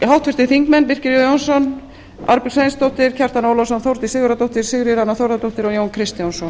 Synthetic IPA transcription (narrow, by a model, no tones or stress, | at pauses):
ɦaw̥t̪fɪst̪ɪθiŋkmɛnvɪr̥cɪɾjjownsɔn | a̰ɾpi̥sejnst̪owht̪ɪɾ̥cʰɛr̥t̪anowlɔsɔnθowɾt̪ɪ̥sɪːɣʏɾat̪owht̪ɪɾ̥sɪɣɾɪɾanːaθowɾðat̪owht̪ɪɾɔɣjoːwnkʰɾɪst̪jɔnsɔn